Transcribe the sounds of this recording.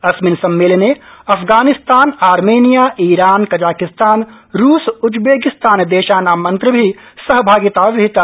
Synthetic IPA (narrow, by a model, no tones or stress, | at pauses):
ɐsmɪnsɐmːeːlneɐfʰɡaːnɪst̪aːnaːɾmeːnijaːʔiːɾaːnkɐd͡ʒaːkɪst̪aːn | ɾuːsʊd͡ʒbeːkɪst̪aːnd̪eːʃaːnamɐ̃nt̪ɾəbʱisɐɦbʱaːɡɪt̪aʋɪɪt̪a